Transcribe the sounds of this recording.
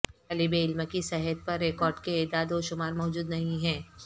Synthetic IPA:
ɐlibeɪlməkisɛɦət̪̚pɐɾːekɔːɾɖkeeːd̪aːd̪oːʃʊmaːɾmɔːd͡ʒuːd̪nɐɦĩɦɛ̃ː

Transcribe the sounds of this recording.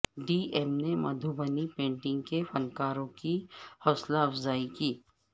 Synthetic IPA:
ɖiːɛmnemɐd̪ʱubənipẽːɳʈɪ̃ŋɡkefɐnkaːɾõkihɔːslaɐfzaːikiː

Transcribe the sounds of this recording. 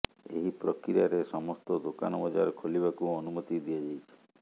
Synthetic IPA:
ḛɦipɾɔkɾijaɾesɔmɔst̪ɔd̪oka̰nɔbɔd͡ʒa̰ɾɔkʰoliβakuɔnumɔt̪id̪iad͡ʒajt͡ʃʰi̥

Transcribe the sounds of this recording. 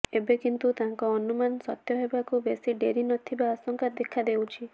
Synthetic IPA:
ebekint̪ut̪aŋkɔːnumanɔsɔt̪jɔɦebakubesiɖeɾinɔt̪ʰibaːsɔŋkad̪ekʰad̪ewt͡ʃʰi

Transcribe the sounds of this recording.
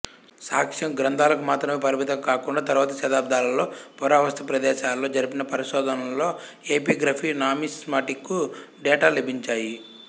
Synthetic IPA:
saːkʂjɐmɡɾɐnd̪ʱaːlɐkumaːt̪ɾɐmeːpɐɾimit̪ɐkkaːkuɳɖaːt̪ɐɾuʋaːt̪ɐʃɐd̪aːb̚d̪ʱaːlɐlo̞ːpɔɾaːʋɐst̪ʰɐpɾɐd̪ɛːʃaːlːo̞ːd͡ʒɐɾipinɐpɐɾiʃɔːd̪ʱɐnɐllːo̞ː | eːpiːɡɾaːpʰiːnaːmismaːʈikːuɖɛːʈaːlebʱiɲt͡ʃaːji

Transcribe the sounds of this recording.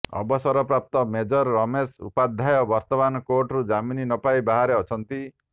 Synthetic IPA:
ɔ̰bɔsɔɾɔpɾap̚t̪ɔmed͡ʒɔɾːɔmesṵpad̪ʱajɔbɔɾt̪ɔbanɔkoʈɾud͡ʒamininɔpaibaɦaɾeɔt͡ʃʰɔnt̪i

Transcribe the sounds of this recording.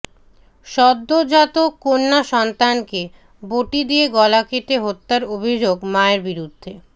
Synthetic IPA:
ʃɔd̪ːod͡ʑat̪okonːaʃɔnt̪anke | boʈid̪ijeɡɔlakeʈeɦot̪ːaɾobʱid͡ʑoɡmaeɾbiɾud̪ʱːe

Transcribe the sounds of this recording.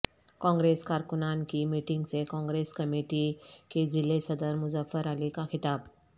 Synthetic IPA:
kɔ̃ŋɡɾeskaɾkunankimiʈiŋɡt͡sekɔ̃ŋɡɾeskəmiʈiked͡zilesəd̪əɾmud͡zəfəɾalikaxit̪ab

